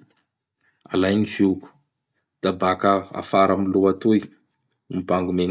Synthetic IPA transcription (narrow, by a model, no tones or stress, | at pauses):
a̰lajniviku̥ | d̪̥abakəa̰faɾamiluat̪ui | mibaŋɡumeŋ